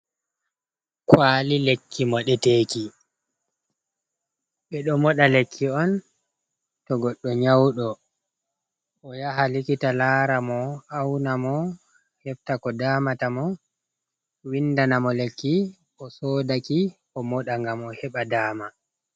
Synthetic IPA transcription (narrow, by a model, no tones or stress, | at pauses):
kwaːlilekːimɔɗɛteːki | ɓɛɗɔmɔɗalekʰːiɔn | tɔɡɔɗːɔɲawɗɔ | ʔɔjaɦalikitalaːɾamɔawnamɔ | hɛftakɔdaːmatamɔ | windanamɔlekːi | ʔɔsɔːdaki | ɔmɔɗaŋɡamɔhɛɓadaːma